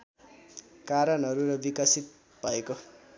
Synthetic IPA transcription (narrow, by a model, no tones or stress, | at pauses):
kaɾʌnɦʌɾuɾʌbikasit̪̚ | b̥ʱʌeko